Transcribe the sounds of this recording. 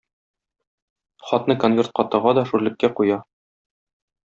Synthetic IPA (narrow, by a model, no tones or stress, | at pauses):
χɒt̪nɤkonvʲe̞rt̪̚qɒt̪ɤ̆ʁɑd̪ɒʃuɾlɘ̆kːæqujɑ